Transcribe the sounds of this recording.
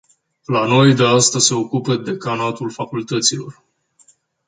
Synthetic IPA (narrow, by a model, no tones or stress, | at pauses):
lano̞jd̪east̪əzse̞o̞kupəd̪e̞kanat̪ulfakult̪ət̪silo̞r